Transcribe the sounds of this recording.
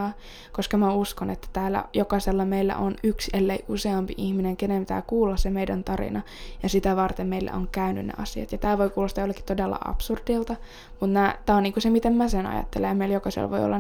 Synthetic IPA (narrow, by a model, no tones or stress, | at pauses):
ɑː | koskɑmæuskonet̪ːæ̥t̪æːlːæ̰jokɑselːɑmeilːæ̰ʔonykselːeiʔuseɑmpiʔihmineŋkenemt̪æ̰ːkuːlːɑssemeidænt̪ɑrḭnɑ | jɑsit̪æʋɑrt̪emmeilːæ̰ʔoŋkæyny̰nnḛʔɑsiɑt̪jɑt̪æːlʋoikuːlːɑst̪jolːekːi̥t̪odelːɑ̰ʔɑ̰psurdilt̪ɑ | mut̪mæːt̪æːoniːŋkusemit̪emmæsenɑ̰jɑ̰t̪ːelːejmeiljokɑsḛl̰ːʋoio̰lːɑ